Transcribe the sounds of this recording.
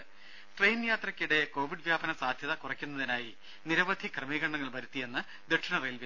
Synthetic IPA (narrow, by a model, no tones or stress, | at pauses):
ʈrejnjaːt̪rɐkʲːiɽe̞ko̞ːʋiɖʋjaːbɐnɐsaːd̪ʱjɐðɐkurɐkʲːunːɐðinaːji | niɾɐʋɐd̪ʱikrɨmiːɣɐɳːɐŋːɐɭʋɐɾut̪ːije̞nːɨ | d̪eʈʂɐɳɐrejlʋi